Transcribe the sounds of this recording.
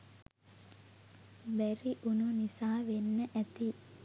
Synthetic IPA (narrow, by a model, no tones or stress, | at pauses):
bæɾiʔununisaːʋenːəʔæt̪i